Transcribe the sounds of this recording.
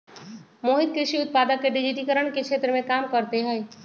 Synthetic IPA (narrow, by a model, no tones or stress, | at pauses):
moːɦɪd̪̚kɾɪʃiʊt̪̚paːd̪əkːeɖɪd͡ʒit̪ikəɾəɽ̃kekʰʃʰeːt̪ɾəmẽkaːmkəɾt̪eɦɛe